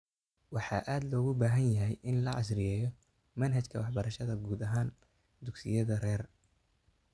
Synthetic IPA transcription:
wɑħɑ̰ːʔaːd̪lɔːɣʊbaːɦɐnjɐɦɛjʔɪnlɐʕɑ̰srɪjɛːjɔ | mɐnɦɐt͡ʃkʰɐwɑħbɐɾɐʃɐðɐɡuːd̪ɐɦaːn | d̪ʊɡsɪ̰jɐðɐrɛːr

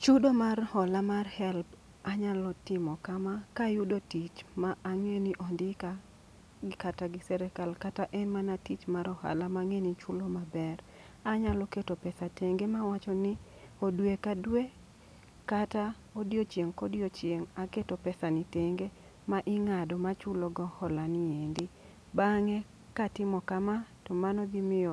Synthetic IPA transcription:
t͡ʃudomarhɔlamarhɛlb | aɲalɔtɪmɔkamakajudotit͡ʃmaːŋeniʔɔndɪka | kataɡɪsɛɾɛkalkataʔɛnmanatit͡ʃmaɾɔha̰lamaŋenit͡ʃulomabɛr | aɲalɔketopɛsateŋɡemawat͡ʃɔnɪ | odwekadwe | kata | odjot͡ʃjeŋkɔdjot͡ʃjeŋaketopɛsaniteŋɡe | maʔɪŋadɔmat͡ʃʊloɡɔhɔlaniendi | baŋɛ | katɪmɔkamatɔmanɔɡimɪjɔ

